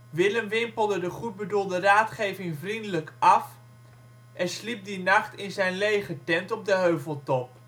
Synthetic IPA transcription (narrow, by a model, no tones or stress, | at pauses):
ʋɪləmʋɪmpəl̩ˠdədəχud̚bədulˠdəraːtχejvɪŋvrindələkʔɑf | ʔɛnslip̚dinɑχtɪnzɛjnlejχətɛntɔb̚dəɦøɥvəlˠtɔp̚